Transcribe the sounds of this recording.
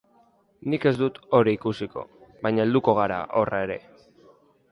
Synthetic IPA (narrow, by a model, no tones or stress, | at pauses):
nike̞zd̪ut̪o̞ɾiikusiko̞̰βajɲaeld̪uko̞ɣ̞aɾa̰ʔo̞rʔae̞ɾe̞̰